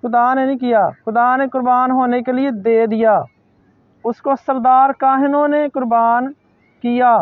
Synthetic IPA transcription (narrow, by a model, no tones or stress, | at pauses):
xʊd̪aːnenĩkɪjaːxʊd̪aːnekʊɾbaːnɦoːnekelɪed̪eːd̪ɪjaː | ʊskosəɾd̪aːɾkaːɦɪnõnekʊɾbaːn | kɪjaː